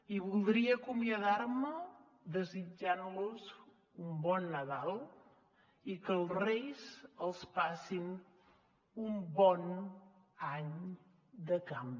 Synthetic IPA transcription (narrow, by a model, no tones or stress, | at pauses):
iβulˠd̪ɾiəːkumiəðaɾmə | ðəzid͡ʒanluz | umbɔnːəðalˠ | ikəlˠzrejzəlˠspasin | umbɔn | aɲ | d̪əkam